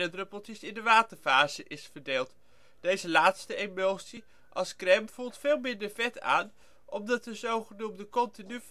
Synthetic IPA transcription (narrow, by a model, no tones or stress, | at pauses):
ədrøpəl̩ˠtisɪndəʋaːtəɹfaːzəʔɪsfəɹdeːlˠt | d̥ejzəlaːtstəemowsi | ʔɑlˠskrɛmv̥ulˠtfeːlˠmɪndəɹvɛtʰa̰ːn | ʔɔmdɑt̚dəzowχənumdəkɔntiny